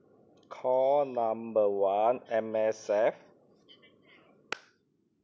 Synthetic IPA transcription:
kʰɔːnambɤːwaːnʔɛmɛːsɛf̚

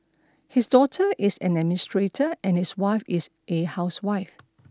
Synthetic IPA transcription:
hisdɔtʰəʔɪsɛ̰̃nɛmstɹetʰəʔɛ̃nhiswaɪfɪsʔehaʊswaɪf

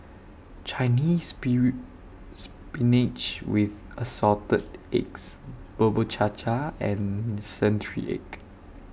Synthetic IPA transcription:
t͡ʃʰaɪnis | s | pinit͡ʃwɪð | əsɔtədeksb̥əbət͡ʃʰat͡ʃʰaɛ̃nsɛ̃ntɹḭʔɛ̰k

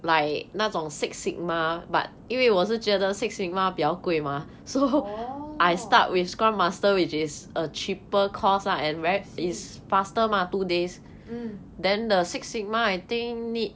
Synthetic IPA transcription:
laɪk̚natsɔ̃ŋsik̚sik̚maba̰t̚ifiwɔs̬əd͡ʒɛdəsik̚sik̚mabjawkwema | so | ʔajsta̰t̚wifskɹãnmastəwit͡ʃisət͡ʃipəkʰɔsaɛ̃nwɛis | fastəmatudes | dɛ̃ndəsiksik̚maajt̪ĩŋnit̚

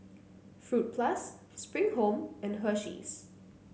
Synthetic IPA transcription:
fɹut̚pʰlasː | pɹɪ̃ŋɦoʊmɛ̃nɦɜʃḭz̥

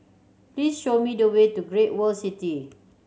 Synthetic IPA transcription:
plisʃomidəwetuɡɹet̚wəlsiti

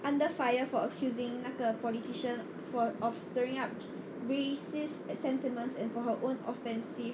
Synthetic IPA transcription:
ʔãndəfajəfɔəkʰjuzɪ̃ŋnakəpɔlitiʃə̃n | sfʔɔfstəɹɪ̃ŋap̚ | ɹesissɛ̃ntimə̃ntsɛ̃nfɔɦəʔõnɔfɛ̃nsif

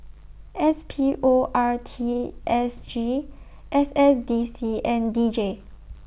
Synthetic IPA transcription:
ɛspʰiʔoʔaɹtʰiʔɛsd͡ʒi | ʔɛsɛsdisiɛ̃ndid͡ʒe

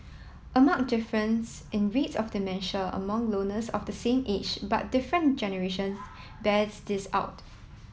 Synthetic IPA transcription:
ʔəmãŋk̚dɪfɹə̃ns | ʔɪ̃nɹitsɔfdimɛ̃nʃəə̰mãŋlõnəsɔ̰fdəsẽmʔed͡ʒba̰t̚d̥ɪfɹə̃nd͡ʒɛnəɹeʃə̃ns | bɛdsdɪsa̰ʊt

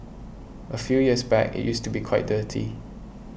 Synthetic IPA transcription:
ʔəfjujiəsbɛ̰kɪ̰ʔ̚justubikʰwaɪt̚dəːtʰḭ

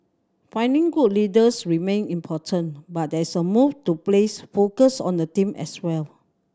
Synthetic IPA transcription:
fãj̃ndĩŋɡut̚lidəsɹimẽnĩmpʰɔtʰə̃nbat̚dɛsəmuftuplesfokəsɔ̰̃ndətĩmʔɛ̰swɛl

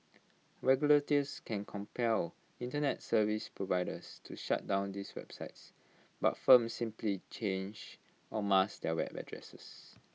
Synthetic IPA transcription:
ɹɛɡjulətiskʰɛ̃nkʰɔ̃mpʰɛl | ĩntənɛtsəvispɹovaɪdəstʰuʃa̰t̚dãʊ̃ndiswɛ̰b̥saɪts | ba̰tfə̃msĩmplit͡ʃẽnd͡ʒ | ɔmasdɛwɛ̰bə̰dɹɛ̰səs

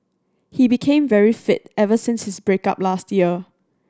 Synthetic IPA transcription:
hibikʰẽmvɛɹifɪt̚ɛvəsɪ̃nshɪsbɹeka̰p̚lastʰjiə

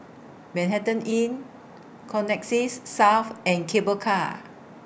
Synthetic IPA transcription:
mɛ̃nɦɛtə̃nĩn | kʰɔ̃nɛk̚sisːawfɛ̃nkʰebəkʰa

